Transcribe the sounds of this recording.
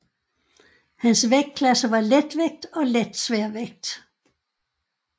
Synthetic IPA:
hænsʋeɡ̥̚kʰlæsəʋɑ̈led̥ʋeɡ̥̚d̥ɒ̽led̥sʋæɐ̰ʋeɡ̥̚d̥

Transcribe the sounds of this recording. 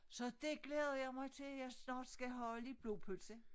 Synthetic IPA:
sɒ̽d̥e̝ɡ̥leːðˠɐjɑ̈ɪmɑ̈ɪt͡sʰe̝ljɑ̈ɪsnɑ̈ːd̥sɡ̥æɦɒ̽ləib̥lo̝ːpʰølsə

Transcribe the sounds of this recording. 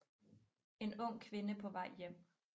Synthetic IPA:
e̝nɔŋ̰kʰʋe̝nəpʰɒ̽ʋɑ̈ɪ̰jem̰

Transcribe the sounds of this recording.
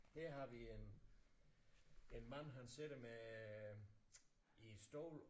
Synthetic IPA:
heɐ̰ɦɑ̈ʋien | enmæn̰ɦænseɾ̥ɐme | id̥sd̥o̰ʊ̰l

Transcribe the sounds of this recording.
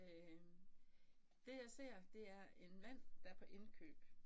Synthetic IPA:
d̥e̝jɑ̈ɪse̝ɐ̰d̥e̝æɐe̝nmæn̰d̥ɑ̈ɐpʰɒ̽ʔe̝nkʰø̰ːb̥

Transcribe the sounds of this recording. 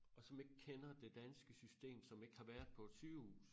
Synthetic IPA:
ɒ̽sɒ̽me̝ɡ̥əkʰenɐd̥e̝d̥ænsɡ̥əsysd̥e̝̰ːmsɒ̽me̝ɡ̥əhɑ̈ʋæɐ̰d̥ˠpʰɒ̥̽syːʊṵːs

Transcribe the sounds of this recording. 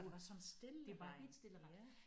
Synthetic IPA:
uʋɑ̈sɒ̽nsd̥eleʋi̥sd̥elɐ̥

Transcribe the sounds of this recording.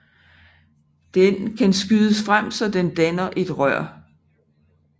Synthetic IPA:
d̥enkʰænsɡ̥yðˠəsfʁam̰sɒ̽d̥end̥ænɐʔe̝d̥ʁɶɐ̰

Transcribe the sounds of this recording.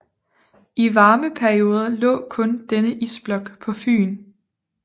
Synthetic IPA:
iʋɑ̈ːməpʰæɐio̝ːð̞ˠɐlɔ̰̽ːkʰɔ̽nd̥enəʔisb̥lɒ̽ɡ̥pʰɒ̽fy̰ːn

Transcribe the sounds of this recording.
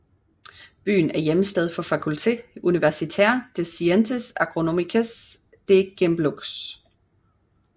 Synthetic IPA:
b̥y̰ːn̩æɐjeməsd̥eð̞ˠfɒ̽fækʰult͡sʰe̝̰ːuniʋæɐsit͡sʰæ̰ɐ̰d̥esient͡sʰesɑɡ̥ʁo̝nomikʰæs | d̥e̝ɡ̥emb̥loɡ̥s

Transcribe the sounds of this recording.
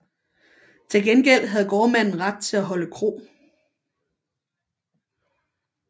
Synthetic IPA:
t͡sʰe̝lɡ̥enɡ̥el̰ɦæð̞̩ˠɡ̥ɒːmæn̰n̩ʁɑ̈d̥̚t͡sʰe̝læɦɒ̽ləkʰʁo̝̰ː

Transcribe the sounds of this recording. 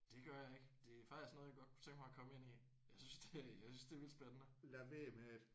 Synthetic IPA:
d̥e̝ɡ̥ɶɐjɑ̈e̝ɡ̥d̥e̝æfɑ̈isnɔð̩ˠjɑɡɒ̽d̥̚kʰu̥t͡sʰeŋɡ̥mɑ̈kʰɒ̽məe̝nḭ | jɑ̈ɪsynsd̥ejɑ̈ɪsynsd̥e̝æʋil̰d̥sb̥enənəlæʋeːmeed̥

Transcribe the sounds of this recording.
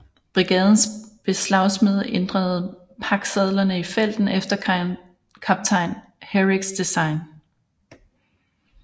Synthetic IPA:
b̥ʁiɡ̥ɛ̰ːð̞ˠn̩sb̥e̝slɑ̈ʊsmeð̞ˠʔend̥ʁɐð̞̩ˠ | pʰɑ̈ɡ̥sɛð̞ˠlɐnəifel̰d̥n̩efd̥ɐk | kʰɑb̥̚t͡sʰɑ̈ɪn | heʁiɡ̥sd̥esɑ̈ɪn

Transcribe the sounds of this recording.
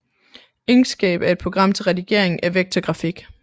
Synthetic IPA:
eŋsɡ̥ɛ̰ːb̥æɐed̥̚pʰo̝ɡ̥ʁɑ̈m̰t͡sʰe̝lʁɛdiɡ̥e̝ɐ̰e̝ŋ̩æɐʋeɡ̥̚t͡sʰɒɡ̥ʁɑ̈fiɡ̥

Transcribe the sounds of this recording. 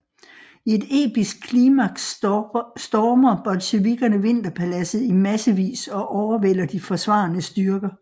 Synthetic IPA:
ie̝d̥e̝̰ːb̥isɡ̥̚kʰliːmæ̥ | sd̥ɒːmɐb̥ɒ̽lɕeʋiɡ̥ɐnəʋe̝n̰d̥ɐpʰælæsð̩ˠimæsəʋḭːsɒ̽ʔɒʊɐʋel̰ɐd̥ifɒ̽sʋɑ̈ːnəsd̥yɐɡ̥ɐ

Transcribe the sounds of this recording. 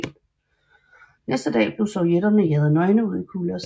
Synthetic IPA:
nesd̥əd̥ɛ̰ːb̥le̝sɒʊjeɾ̥ɐnejeðˠnɒ̽ɪnəuð̰ˠikʰuːləɒs

